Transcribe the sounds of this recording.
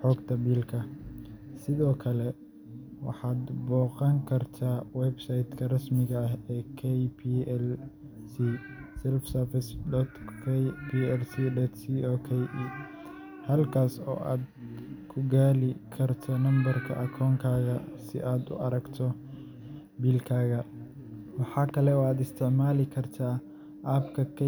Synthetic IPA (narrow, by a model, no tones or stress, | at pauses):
ħɔːɡt̪ʰɐbiːlkʰɐ | sɪðɔːkʰɐlɛ | wɑ̰ħɑːd̪bɔːqɑŋkʰɐrt̪ʰaːwɛbsajt̪kʰɐrɐsmɪɣɐɐɦɛːkʰɛjpʰiɛl | si | sɛlfsɛrfɪsdɔt̪kʰɛpiɛlsiːdɔːt̪siɔːkʰɛj | hɐlkʰaːsɔ̰ːʔa̰ːd̪kʰʊɡaːlɪkʰɐrt̪ʰɔnɐmbɐrkʰɐ̰ʔɐkʰɔːŋkʰaːɣɐsɪ̰ʔaːd̪ʊ̰ʔɐɾɐɡt̪ʰɔ | biːlkʰaːɣɐ | wɑħɑːkʰɐlɛɔːaːd̪ɪst̪ʰɪʕmaːlɪkʰɐrt̪ʰaː | ʔabkʰɐkʰ